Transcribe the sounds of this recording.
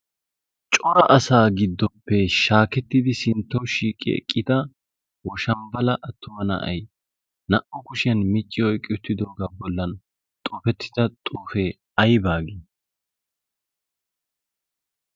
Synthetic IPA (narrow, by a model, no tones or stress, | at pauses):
t͡ʃʼɔɾɐʔɐsaːɡɪd̪ːɔpːɛʃaːkɛt̪ːɪd̪ɪsɪnt̪ːɔwʃiːkʼːɪ̰ɛ̰kʼːɪt̪ɐ | wɔʃɐmbɐlɐʔɐt̪ːʊmɐnɐ̰ʔɐ̰j | nɐʔɔkʊʃɪjɐnmɪt͡ʃʼːɪɔjkʼːɪʊt̪ːɪd̪o̞ːɡaːbɔlːɐn | t̪ʼɔːfɛt̪ːɪ̥d̪ɐt̪ʼuːfeː | ɐjbaːɡi